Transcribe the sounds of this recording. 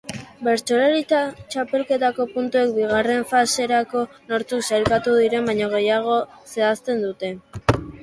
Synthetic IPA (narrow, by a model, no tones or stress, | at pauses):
be̞ɾt͡ʃo̞ɾeɾit̪at͡ʃape̞lke̞t̪ako̞punt̪ue̞kbiɣ̞are̞ɱfase̞ɾako̞noɾt̪uksajlkat̪uð̞iɾe̞mbaɲoɣ̞e̞jaɣ̞o̞se̞ast̪e̞nd̪ut̪e̞